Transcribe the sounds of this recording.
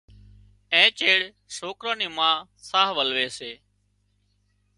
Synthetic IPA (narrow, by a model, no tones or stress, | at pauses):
ẽːt͡ʃeːɽ | soːkɾõːniːmãː | saːɦʋəlʋeːseː